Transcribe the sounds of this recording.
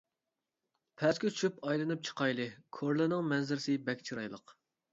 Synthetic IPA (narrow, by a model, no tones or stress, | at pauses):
pʰɛskʲyt͡ʃʰypɑjlˠɨnɨp̚t͡ʃʰə̥qʰɑjlˠɨkʰoɾlˠɨnɨŋmɛnzɪɾsɪbɛkʲt͡ʃʰiɾɑ̰jlˠə̰q